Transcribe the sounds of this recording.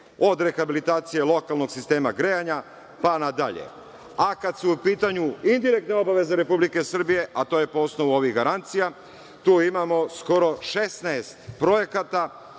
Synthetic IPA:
o̞d̪ɾe̞xabilit̪aːt̪sije̞lˠo̞kalˠno̞ɡsist̪e̞ːmaɡɾeaɲa | panad̪aʎḛ | akad̪suupiːt̪aɲuind̪iɾek̚t̪neo̞baʋe̞zeɾe̞publike̞sr̩bije̞ʔat̪oje̞poosnoʋuo̞ʋiɣɡaɾant̪sija | t̪uːimamo̞sko̞ɾo̞ʃe̞snaːst̪pɾo̞je̞kat̪a

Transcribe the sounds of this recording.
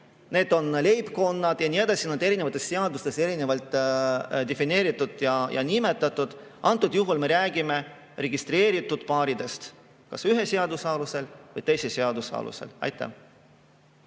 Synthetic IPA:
ne̞ːd̪̥o̞nle̞jbko̞nːɑd̪̥jɑnied̪ɑsinɑd̪e̞ɾine̞vɑt̪ːˑe̞sse̞ɑd̪ust̪e̞se̞ɾine̞vɑlt̪ˑ | d̪̥e̞fine̞ːɾit̪ːˑud̪jɑjɑ̰nime̞t̪ːˑɑt̪ːˑud̪̥ʔɑnt̪ːˑud̪̥juɦulme̞ɾæːɡ̥ime̞ | re̞ɡist̪re̞ːɾit̪ːˑud̪̥pɑːɾid̪e̞st̪ | kɑsyɦese̞ɑd̪usɑːluse̞lvɤjt̪e̞jseseɑd̪usɑ̰ːlṵse̞̰lɑ̰jt̪ːˑæ̰

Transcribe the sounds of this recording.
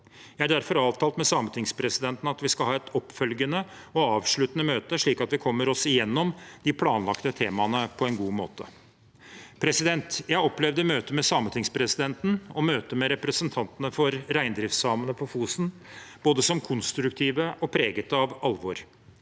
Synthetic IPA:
jæɪæɖæɾfɔɾɑːʋt̪ʰɑːlt̪mɛsɑmət̪ʰɪŋspʰɾɛsɪd̪ɛnt̪n̩ɑt̪ʋɪskɑlhɑːɛt̪ʰɔpfœlɡənə | ɔɑːʋʂɭʉt̪ənəmøːt̪əʂɭiːkɑt̪ʋɪkʰɔmːəɾɔsɪjɛnːɔmd̪ɪpʰlɑːnlɑ̰kt̪ət̪ʰeːmɑnəpʰɔɛnɡuːmo̰ːt̪ə̰ | pʰɾɛsɪd̪ɛnt̪jæɪɪɔplɛʋd̪əmøːt̪əmɛsɑmət̪ʰɪŋspʰɾɛsɪd̪ɛnt̪n̩ɔmøːt̪əmɛɾɛpɾəsənt̪ʰɑnt̪ənəfɔɾɾæɪnd̪ɾɪft̪sɑːmənəpʰɔfuːsn̩b̥oːd̪əsɔmkʰʊnst̪ɾʉkt̪ʰiːʋəʔɔpʰɾeːɡət̪əɑʋɑlʋɔɾ

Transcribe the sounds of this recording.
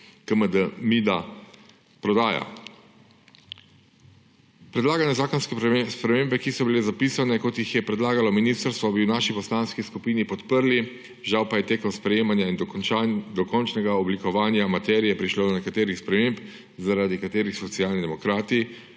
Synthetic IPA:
kəməd̪əmid̪a | pɾɔd̪aːja̰ | pɾɛd̪laːɡanjɛzaːkɔnskɛspɾɛmeːmbɛkisɔbilezapisanɛkot̪jixjɛpɾɛd̪laːɡalɔminiːst̪əɾst̪ʋɔbiwnaːʃipɔslaːnskiskupiːnipɔt̪pəɾli | ʒawpajɛt̪eːkɔwspɾɛjeːmanjain | d̪ɔkɔnt͡ʃnɛɡaɔblikɔʋaːnjamat̪ɛːɾijɛpɾiʃloːd̪ɔnɛkat̪eːɾixspɾɛmemp | zaɾad̪ikat̪eːɾixsɔt̪siaːlnid̪ɛmɔkɾaːt̪i

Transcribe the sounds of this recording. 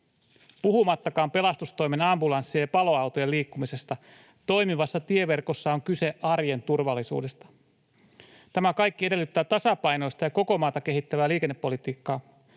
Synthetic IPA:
puɦumɑt̪ːɑkɑːmpe̞lɑst̪ust̪o̞jme̞nɑmbulɑnsːiɑjɑpɑlo̞ɑwt̪ojeliːkːumise̞st̪ɑ | t̪o̞jmiʋɑsːɑt̪ie̞ʋe̞rko̞sːɑoŋkyse̞ɑrje̞nt̪urʋɑlːisṵːde̞st̪ɑ̥ | t̪æmækɑjkːiede̞lːyt̪ːæːt̪ɑsɑpɑjno̞jst̪ɑjɑko̞ko̞mɑːt̪ɑke̞ɦit̪ːæʋæːliːkenːepːo̞lit̪iːkːɑː

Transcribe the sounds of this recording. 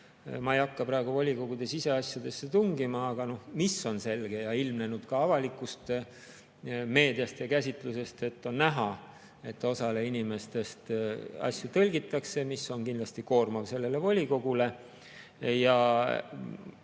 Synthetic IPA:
mɑejɑkːɑpɾɑeɡ̥uvolʲiko̞ɡud̪̥e̞sise̞ɑsʲjɑd̪̥e̞sːet̪uŋɡimɑːɡ̥ɑno̞hmisːo̞nse̞lɡ̥e̞jɑilmne̞nud̪̥kɑɑvɑlikːˑust̪ | me̞ːd̪ijɑst̪jɑkæsʲit̪ˑluse̞st̪e̞t̪ːˑo̞nnæɦɑ | e̞t̪ːˑo̞sɑleinime̞st̪e̞st̪ɑ̰sjut̪ɤlʲɡit̪ːˑɑkse̞misːo̞nkind̪lɑst̪iko̞ːrmɑvse̞lːe̞le̞volʲiko̞ɡule̞ | jɑ

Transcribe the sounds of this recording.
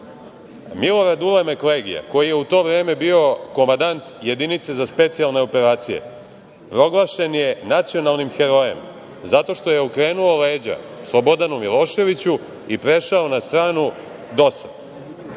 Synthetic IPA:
milo̞ɾad̪ulemekoleɡḭja̰ko̞jije̞ut̪o̞ːʋɾeːme̞bio̞ko̞mand̪ant̪je̞d̪init̪se̞zaspe̞t̪sialˠne̞ope̞ɾaːt̪sijḛ | pɾo̞ɡlˠaʃe̞nje̞nat̪sio̞nalˠnimxeɾo̞je̞̰m | zat̪o̞ʃt̪o̞je̞ukɾe̞ːnuo̞le̞ːd͡ʑa̰slˠobo̞d̪anumilˠo̞ːʃe̞ʋit͡ɕu | ipɾe̞ʃaonast̪ɾaːnu | d̪o̞sad̪

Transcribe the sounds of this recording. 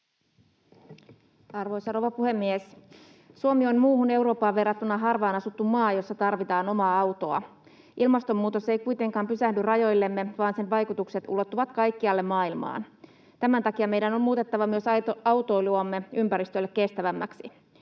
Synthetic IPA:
ɑrʋo̞jsɑroʋɑpuhe̞mːies | suomio̞nmuːhune̞wɾo̞ːpːɑːʋʋe̞rːɑt̪ːunːɑɦɑrʋɑːnɑsut̪ːummɑːjo̞sːɑt̪ɑrʋit̪ɑːno̞mɑːɑuwt̪oɑ̰ | ʔilmɑst̪o̞mːuːt̪o̞se̞jkujt̪e̞ŋkɑːmpysæhdyrɑjo̞jlːe̞mːe̞ʋɑːnsenʋɑjkut̪ukse̞t̪ṵlo̞t̪ːuʋɑt̪kɑjkːiɑlːe̞mmɑːilmɑ̰ːn | t̪æmænt̪ɑkiɑmejdæno̞mmuːt̪e̞t̪ːɑʋɑmyøsɑɑwt̪o̞jluomːe̞ympæɾist̪ølːekːe̞st̪æʋæmːæksi

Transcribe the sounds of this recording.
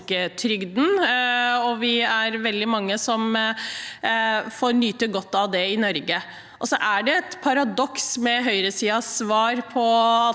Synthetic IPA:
kət̪ʰɾʏɡd̪n | ɔʋɪæɾʋɛld̪ɪmɑŋːəsɔm | fɔɾnyːt̪əɡɔt̪ːɑʋd̪ɛɪnɔɾɡə | ʔɔsɔʔæɖɛɛt̪pʰɑɾɑd̪ɔksmɛɦœʏɾəsiːɑsʋɑːɾpʰɔɑ

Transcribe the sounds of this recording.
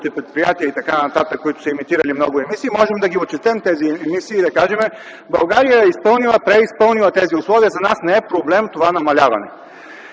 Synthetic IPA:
t̪ɛpɾɛt̪̚pɾijat̪iəit̪ɐkanɐt̪at̪əkːoit̪ʊ̥sɛɛmit̪iɾɐlimnɔɡʊɛmisiːmɔʒɛmd̪ɐɡʲiot͡ʃɛt̪ɛmt̪ɛziɛmisiːd̪ɐkaʒɛmɛ | bɐlˠɡaɾijəɛispɤlˠnilˠɐpɾɛispɤlˠnilˠɐt̪ɛziʊslˠɔviəzɐnasnɛɛpɾoblɛmt̪ovanɐmɐlʲavɐ̰nɛ̰

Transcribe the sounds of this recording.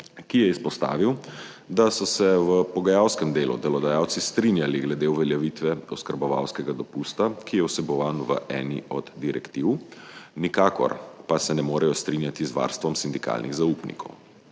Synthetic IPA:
kijɛispɔst̪a̰ːʋiw | d̪asɔsɛʋəpɔɡajawskɛmd̪eːlṵd̪ɛlɔd̪ajaːwt̪sist̪ɾinjaliɡlɛd̪euʋɛljaʋit̪ʋɛɔskəɾbɔʋa̰wskɛɡad̪ɔpust̪akijɛwsɛbɔʋaːnʋəʔɛːnḭɔd̪d̪iɾɛkt̪iwnikaːkɔ̰ɾpasɛnɛmoːɾɛjɔst̪ɾinjat̪izʋa̰ːɾst̪ʋɔmsind̪ika̰ːlnḭɣzauːpnḭkʰɔ̰w

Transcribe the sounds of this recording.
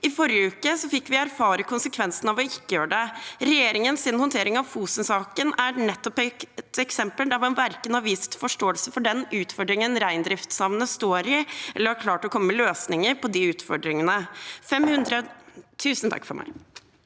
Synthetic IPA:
ɪfɔɾjəʉːkəsɔfɪkːʋɪæɾfɑːɾəkʰʊnsəkʰʋɛnsənɑʋɔɪkːəjøːɖɛɾɛjeːɾɪŋənsɪn̩hɔnt̪ʰeːɾɪŋɑʋfuːsənsɑːkənænɛt̪ːɔpt̪ɛksɛmpəld̪ɑʋɛnʋæɾkənɑʋiːst̪fɔʂʈoːəlsəfɔɖɛnʉːt̪fɔɖɾɪŋənɾæɪnd̪ɾɪft̪sɑmnəst̪oːɾɪɛlːəɾhɑɾkʰlɑːʈɔkʰɔmːəːməløːsnɪŋəɾpʰɔd̪ɪʉːt̪fɔɖɾɪŋənəfɛmhʉnd̪ɾət̪ʰʉːsn̩t̪ʰɑ̰kːfɔ̰ɾmæ̰ɪ

